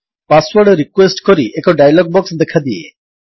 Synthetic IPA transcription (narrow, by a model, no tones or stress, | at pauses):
paswɔɾɖɾikwesʈkɔɾiʔekɔɖajlɔɡ̚bɔksd̪ekʰad̪iḛ